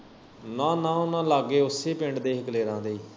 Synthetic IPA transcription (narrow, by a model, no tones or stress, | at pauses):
nãːnãːʊnãːlaːɡːeːʊseːpɪ̃ɳɖd̪eːɦɪkleːɾãːd̪eː